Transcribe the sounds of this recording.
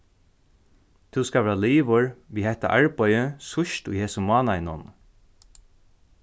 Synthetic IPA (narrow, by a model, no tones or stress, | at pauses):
t̪ʰuwskaːʋɛːɹaliːʋʊɹʋiːhɛht̪a̰ʔaɹpɔjəsʊʃt̪ʊjheːsʊmɑːnaɪnʊ̰n